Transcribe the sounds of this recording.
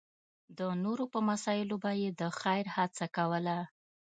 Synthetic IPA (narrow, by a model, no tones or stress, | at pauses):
d̪ənoɾopəmasɑjɪlobajed̪əxajɾhat͡sakawəla